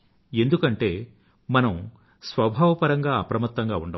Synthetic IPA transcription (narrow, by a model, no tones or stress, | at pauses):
e̞nd̪ukɐɳʈe̞ː | mɐnɐm | sʋɐbʱaːʋɐpɐɾɐŋɡaːɐpɾɐmɐt̪ːɐŋɡaːuɳɖɐ